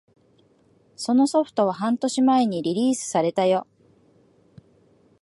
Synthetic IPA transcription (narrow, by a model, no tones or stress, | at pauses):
so̞no̞so̞ɸɯ̥t̪o̞β̞aɦãnt̪o̞ɕimae̞ɲ̟iɾʲiɾʲiːsɨ̥saɾe̞t̪ajo̞